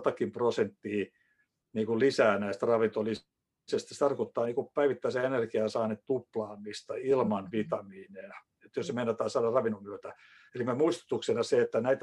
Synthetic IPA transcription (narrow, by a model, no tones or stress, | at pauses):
t̪ɑkimprosent̪ːihi | niːkullisæːnæist̪rɑʋint̪oli | sest̪ist̪ɑrkot̪ːɑːniːkuppæiʋit̪ːæiseenerkiɑsɑːnet̪t̪uplɑːmist̪ɑilmɑnʋit̪ɑmiːneɑ | et̪ːjosemeinːɑt̪ːɑːsɑdɑrɑʋinumyøt̪æ | elimemuist̪u̥t̪uksenɑseet̪ːænæit̪æ